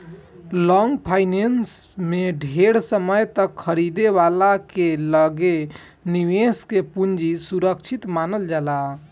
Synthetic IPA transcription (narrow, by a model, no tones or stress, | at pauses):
lɔŋɡpʰajnensmeɖʱeɽsəməjt̪əkʰəɾid̪eβalakeləɡe | niʋeskepund͡ʒisuɾəkt͡ʃʰit̪manəld͡ʒala